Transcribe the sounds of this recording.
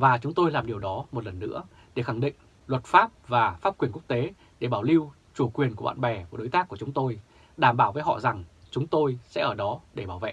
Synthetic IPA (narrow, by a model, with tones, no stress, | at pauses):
vaː˨˩t͡ɕʊ˨˦ŋ͡mt̪o˧jlaː˨˩mɗi˨˩əwɗɔ˨˦mo˨˩t̚lə˨˩nːɨ̰˧˥ə | ɗe˧˩xa˧˩ŋɗḭ̈˧˨ŋ | lwə˨˩t̚faː˦˥p̚vaː˨˩faː˦˥p̚kwi˧˩ənku˦˥ək̚t̪e˨˦ | ɗe˧˩ɓaː˧˩wli˧w | t͡ɕu˧˩kwi˨˩ənku˧˩əɓa̰ː˧˨nɓɛ˨˩va˨˩ɗo˨˦jt̪aː˦˥kːu˧˩ət͡ɕʊ˨˦ŋ͡mt̪o˧j | ɗaː˧˩mɓaː˧˩wvəː˨˦jɦɔ̰˧˨za˨˩ŋt͡ɕʊ˨˦ŋ͡mt̪o˧jsɛ̰˧˥ʔəː˧˩ɗɔ˨˦ɗe˧˩ɓaː˧˩wvḛ˧˨